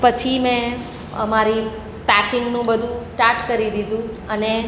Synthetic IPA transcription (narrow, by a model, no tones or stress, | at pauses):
pət͡ʃʰimɛ̃ | əmaɾi | pækɪŋɡnũbəd̪ʱũsʈaɾʈkəɾid̪id̪ʱũ | əne